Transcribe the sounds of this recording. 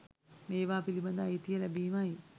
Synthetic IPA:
meːʋaːpilibɐnd̪ajt̪ijəlæbiːmaj

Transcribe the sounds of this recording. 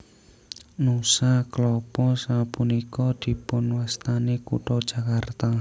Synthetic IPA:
nusaklɔpɔsapunikɔd̪̥i̤pʊnwast̪anekṵʈɔd̥ʒ̥a̤kart̪a

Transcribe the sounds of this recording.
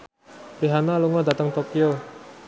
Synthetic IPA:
piɦanaluŋɔdat̪əŋt̪okio

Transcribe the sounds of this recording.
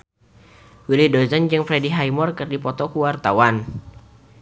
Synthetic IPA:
wilidozand͡ʒɨŋfɾɛdiɦajmɔrkɨrdipɔt̪ɔkuwart̪awan

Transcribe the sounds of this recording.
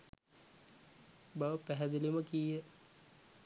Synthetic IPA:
baʋəpæɦæd̪eliməkijə

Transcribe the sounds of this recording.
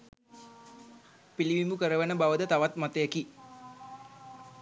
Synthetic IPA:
piliʋimbukəɾəʋenəbaʋəd̪ət̪aʋat̪mat̪əjeki

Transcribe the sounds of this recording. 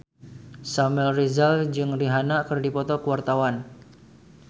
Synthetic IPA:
samɛlrizald͡ʒɨŋriɦanakɨrdipɔt̪ɔkəwart̪awan

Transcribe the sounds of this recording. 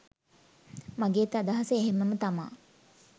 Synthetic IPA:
maɡeːt̪əad̪aɦasəeɦeməmət̪ama̰ː

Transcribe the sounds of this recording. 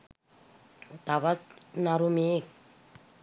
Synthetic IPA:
t̪aβatnaɾumek̚

